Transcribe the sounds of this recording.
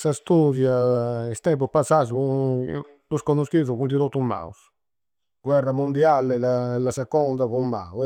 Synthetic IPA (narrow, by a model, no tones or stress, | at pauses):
sast̪uðjaɛst̪ɛmpupasaːzu | luskɔnoskiðuɣund̪iɾot̪ːuma̰ṵs | ɡ̥wɛrːamund̪ialɛlalasɛkɔnd̪aβumːa̰w